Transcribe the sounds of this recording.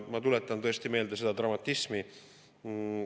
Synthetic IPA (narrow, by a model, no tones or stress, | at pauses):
mɑt̪ulet̪ːˑɑnt̪ɤ̞e̞st̪ime̞ːld̪ese̞d̪̥ɑt̪rɑmɑt̪ːismi